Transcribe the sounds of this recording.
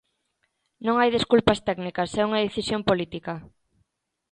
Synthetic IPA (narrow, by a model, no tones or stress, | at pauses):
nõŋajðeskulpɐst̪ɛɡnikɐsɛuŋɐðeθisjompolit̪ikɐ